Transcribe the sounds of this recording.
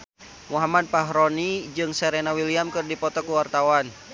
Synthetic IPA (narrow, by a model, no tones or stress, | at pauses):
muɦamad̚paɦɾɔnid͡ʒɨŋsɛɾenawiliamkɨrdipɔt̪ɔkuwart̪awan